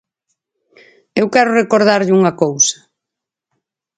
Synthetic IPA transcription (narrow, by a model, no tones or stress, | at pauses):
ewkɛɾʊrekoɾðaɾʎɪuŋɐkowsɐ̥